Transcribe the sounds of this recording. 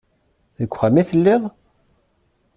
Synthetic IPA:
ðəkʷːχæmiθəlːɪðˤ

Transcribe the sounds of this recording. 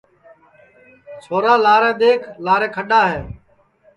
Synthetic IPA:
sʰoːɾaːlaːɾẽːd̪eːkʰlaːɾɛ̃ːkʰəɗaːɦeː

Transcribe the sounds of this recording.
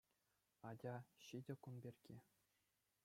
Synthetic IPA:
ɑdʲɑɕidʲɘ̆kunbʲerʲɡʲe

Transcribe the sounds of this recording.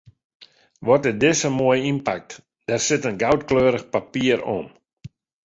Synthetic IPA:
ʋɔtɛdɪsəmoəjimpak̚t | d̥ɛrsɪtənɡawtkløːɾəxpapiəɾo̰m

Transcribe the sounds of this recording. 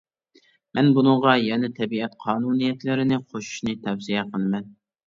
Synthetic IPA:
mʔɛnbunɨɴʁɑjɛnɛt̪ʰɛbiɛt̪qʰɑːnunijɛt̪lɪɾɪnɪqʰoʃu̥ʃnɨt̪ʰɛwsijɛqʰəlˠɨmɛn

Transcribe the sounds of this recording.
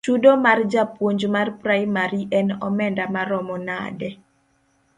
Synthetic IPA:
t͡ʃudomard͡ʒapwoɲd͡ʒmarpɾajmaɾiʔɛnɔmɛndamaɾɔmɔna̰dɛ

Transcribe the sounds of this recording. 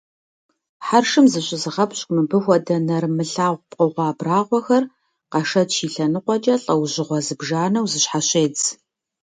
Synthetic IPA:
ħarʂɨmzɨɕʼɪzɨʁɐpɕkʷʼmɨbɨxʷɔdɐnɐrmɨɬaːʁʷpʼqʼəʁʷɑːbraːʁʷɔxɐr | qɑʃɐtʃiːɬɐnɨqʷɔt͡ʃʼɐɬʼɐwʑɪʁʷɔzɨbʒaːnɐwzɨɕħaɕʼeːt͡s

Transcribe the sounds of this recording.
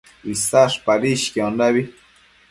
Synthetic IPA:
isaʂpaɾiʃkiondaβi

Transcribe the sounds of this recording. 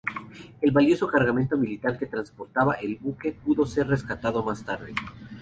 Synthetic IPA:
e̞lβaljo̞so̞kaɾɣament̪o̞milit̪aɾke̞t̪ɾanspo̞ɾt̪aβaʔe̞lβuke̞puðo̞se̞ɾre̞skat̪aðo̞mast̪aɾðḛ

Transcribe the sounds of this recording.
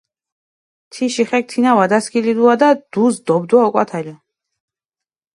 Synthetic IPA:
t̪ʰiʃiχɛk̚t̪ʰinavad̪askʰilid̪uad̪ad̪̥uzd̪ɔbd̪waɔkʼwa̰t̪ʰɛli

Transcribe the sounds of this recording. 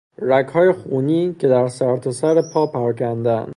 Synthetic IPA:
ɾæchɒːje̞xuniːcʰe̞d̪æɾsæɾt̪ʰosæɾepʰɒːpʰæɾɒːcʰænd̪ænd̪

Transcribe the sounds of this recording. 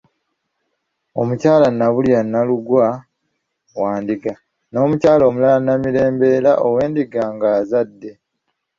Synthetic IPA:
o̞̰mucaːlanːaβulijanːaluɡwa | waːndiɡa | no̞ːmucaːlo̞ːmulalanːamiɾe̞ːmbe̞ɾaʔowe̞ːndiɡaŋɡaːzadːe̞

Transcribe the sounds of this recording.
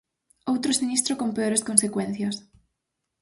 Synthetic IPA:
owt̪ɾosinist̪ɾokompeoɾeskonsekwɛnθjɐs

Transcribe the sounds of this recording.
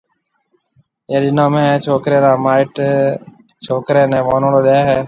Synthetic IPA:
ẽːɗɪnãːmẽːt͡ʃʰoːkɾeːɾaːmaːɪʈ | t͡ʃʰoːkɾeːnẽːʋoːnoːɽoːɗeaːɦɛː

